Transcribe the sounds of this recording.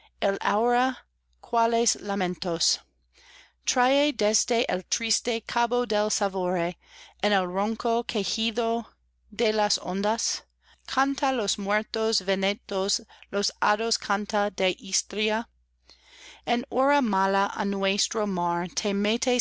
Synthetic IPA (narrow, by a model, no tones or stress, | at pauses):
elawɾa | kʰwaleslamẽnt̪os | t̪ɾajed̪ezd̪eʔelt̪ɾist̪ekʰabodelsavoɾeenelrõŋkokʰexiðo | ðelasõ̰nd̪as | kʰant̪alosmwɛɾt̪osvenet̪oslosaðoskʰant̪adeʔist̪ɾia | enoɾamalaʔa̰nwest̪ɾomaɾt̪ʰemet̪ʰe